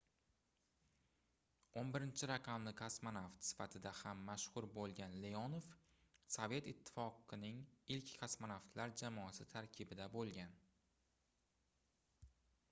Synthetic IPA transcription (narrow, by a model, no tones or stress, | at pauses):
onbɪɾɪnt͡ʃʰɪɾaqʰɑmlɪkʲʰasmanaft̪sɪ̥fat̪ʰɪd̪ahamːaʃhʊɾbolˠɡʲanlejɒnof | sove̞t̪ɪt̪ʰːɪ̥fɒqɨnɪŋɪlkʲkʰasmanaft̪ʰlaɾd͡ʒamɒasɪt̪ʰaɾkʲʰɪbɪd̪abolˠɡʲan